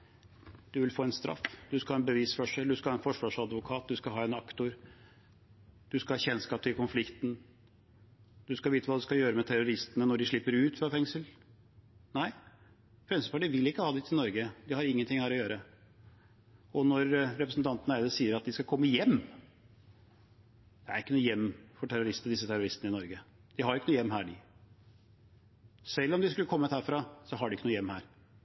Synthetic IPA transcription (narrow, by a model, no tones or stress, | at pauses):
d̪̥ʉʋɪlfoːɛnst̪ɾɑ̰fd̪ʉskɑlhɑːɛnbəʋiːsfɔʂəld̪ʉskɑlhɑːɛnfɔʂʋɑːʂɑd̪ʋʊkʰɑːt̪̚d̪ʉskɑlɦɑːɛnɑkt̪ʊɾ | d̪̥ʉskɑhɑːçɛnskɑːp̚t̪ʰɪlkʰʊnflɪkt̪n̩ | d̪̥ʉskɑʋiːt̪əʋɑːd̪ʉskɑjøːɾəmɛt̪ʰæɾʊɾɪst̪ənənɔɖɪʂɭɪpːəɾʉːt̪fɾɑfɛŋsəl | næɪ | fɾɛmsəpɑʈiːʋɪlːɪkːəhɑːd̪ɛt̪ʰɪlnɔɾɡəd̪ɪhɑɾɪŋːənt̪ɪŋhæːɾɔjøːɾə | ɔnɔɾːɛpɾəsn̩t̪ʰɑnt̪ənəæɪd̪əsiːəɾɑt̪̚d̪ɪskɑkʰɔmːəjɛmː | d̪̥ɛæ̰ɾɪkːənuːjɛmːfɔʈʰæɾʊɾɪst̪nəd̪ɪsːət̪ʰæɾʊɾɪst̪ənəɪnɔɾɡə | d̪̥ɪhɑɾʊɪkːənuːjɛmːɦæːɖɪ | sɛlːɔmd̪ɪskʉlːəkʰɔmːət̪hæːɾfɾɑsɔɦɑɖɪɪkːənuːjɛmhæːɾ